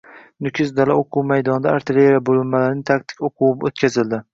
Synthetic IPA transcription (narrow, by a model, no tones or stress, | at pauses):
nʊkʲʰɪzd̪alaoqʰuwmajd̪ɒnd̪aːɾt̪ʰɪleɾabolɪmmalaɾɪnɪt̪ʰak̚t̪ʰɪ̥kʲoqʰuwɪbot̪kʲʰazɪld̪ɪ